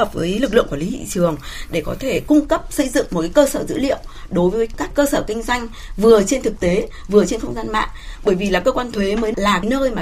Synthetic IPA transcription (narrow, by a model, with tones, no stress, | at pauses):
ə˨˩p̚vəː˨˦jlɨ˨˩k̚lɨ̰˧˨ŋku˧˩˨li˨˦t̪ḭ˧˨t͡ɕɨ˨˩əŋɗe˧˩kɔ˨˦t̪ʰe˧˩kʊ˧ŋ͡mkə˦˥p̚sə˧jzɨ̰˧˨ŋŋ͡mmo˨˩kaː˨˦kəː˧səː˧˩zɨ̰˧˥lḭ˧˨əwɗo˨˦jvəː˨˦jkaː˦˥kːəː˧səː˧˩kï˧ŋ̟zwa˧jŋ̟ | vɨ˨˩ət͡ɕe˧nt̪ʰɨ˨˩k̚t̪e˨˦vɨ˨˩ət͡ɕe˧nxə˧wŋ͡mzaː˧nma̰ː˧˨ʔɓəː˧˩jvi˨˩laː˨˩kəː˧kwaː˧nt̪ʰwe˨˦məː˨˦laː˨˩ka˨˦jnəː˧jmaː˨˩